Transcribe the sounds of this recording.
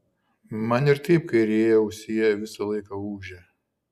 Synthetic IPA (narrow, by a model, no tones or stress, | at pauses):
mɐnɪɾt̪ɐɪp̚kɐɪɾʲeːjɛʊʃsʲeːjɛʋʲɪsɐlˠɐɪkɐuːʒʲɛː